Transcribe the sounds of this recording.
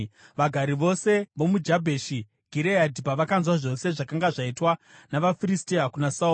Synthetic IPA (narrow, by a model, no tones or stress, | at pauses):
ʋaɡʱaɾiʋo̞se̞ʋo̞mud͡ʒabʱe̞ʃi | ɡʱiɾeadʱipaʋakanzwaʐo̞se̞ʐakaŋɡaʐaitwanaʋafiristiakunasau